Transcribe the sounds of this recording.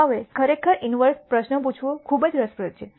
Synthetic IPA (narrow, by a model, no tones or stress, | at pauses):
aʋeskʰəɾekʰəɾʔinʋəɾspɾəʃnəp̬ut͡ʃʰʋũkʰubəd͡ʒɾəspɾət̪̚t͡ʃʰe